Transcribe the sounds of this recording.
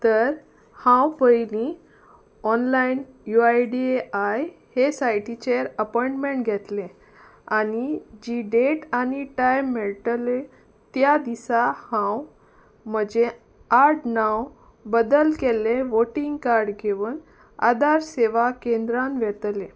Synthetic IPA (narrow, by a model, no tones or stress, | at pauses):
t̪əɾ | hãwpəjli | ɔnlainjuajɖieʔajhesajʈit͡ɕeəɾəpɔjɳʈmeɳʈɡʱɛt̪lẽ | anid͡ʑiɖeʈaniʈajmːɛɭʈle | t̪jad̪isahãw | m̤əd͡ʑe | aɾʈnãw | bəd̪əlkeleʋoʈiŋɡkaɾɖɡʱeʋuːn | a̰d̪aɾseʋakẽnd̪ɾamʋɛt̪le